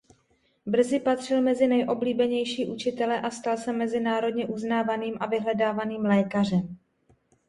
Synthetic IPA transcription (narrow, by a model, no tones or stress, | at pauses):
br̩zɪpat̪r̝̥ɪlmɛzɪnɛjʔo̞bliːbɛɲɛjʃiːʔut͡ʃɪt̪ɛlɛʔast̪alsɛmɛzɪnaːɾo̞dɲɛʔuznaːvaniːmʔavɪɦlɛdaːvaniːmlɛːkar̝ɛm